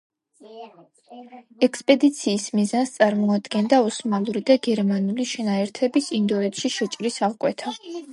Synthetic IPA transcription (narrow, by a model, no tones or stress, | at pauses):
ɛkspʼɛd̪it̪sʰiːsmizanst̪sʼaɾmɔad̪ɡɛnd̪aɔsmalˠuɾid̪aɡɛɾmanuliʃɛnaɛɾt̪ʰɛbisind̪ɔɛt̪ʃiʃɛt͡ʃʼɾisalkʼwɛt̪ʰa